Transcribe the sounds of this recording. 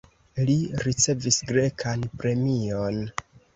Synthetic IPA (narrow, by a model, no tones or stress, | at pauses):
liɾit͡se̞visɡɾe̞kʰanpɾe̞mion